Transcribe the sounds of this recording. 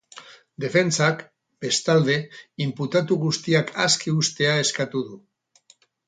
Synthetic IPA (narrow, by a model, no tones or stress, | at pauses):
d̪e̞fe̞nt͡sak | be̞st̪ald̪e̞imput̪at̪uɣust̪iakʰaskiust̪e̞ae̞skat̪uð̞u